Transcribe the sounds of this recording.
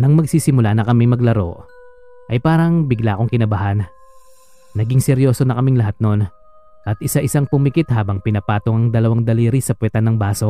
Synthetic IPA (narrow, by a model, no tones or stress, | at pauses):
nɐŋmɐɡ̚siːsɪmʊlanɐkɐmiŋmɐɡlɐɾo̞̰ʔ | ʔɐjpaːɾɐŋbɪɡlaːko̞ŋkɪnɐbɐhan | ɐɡiŋsɛɾjo̞ːso̞nɐkɐmiŋlɐɦat̪̚no̞n | ʔɐt̪̚ʔɪsaʔɪsaŋpʊmikɪt̪̚haːbɐŋpɪnɐpaːt̪oŋɐŋd̪ɐlɐwaŋd̪ɐliːɾisɐpwɛt̪ɐnɐŋbaːso̞